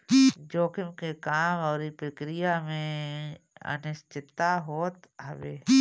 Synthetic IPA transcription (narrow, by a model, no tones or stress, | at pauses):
d͡ʒoːkɪmkekaːmɔːɾipɾəkɾijamẽ | ə̰nɪst͡ʃɪt̪ːaɦoːt̪ɐʋeː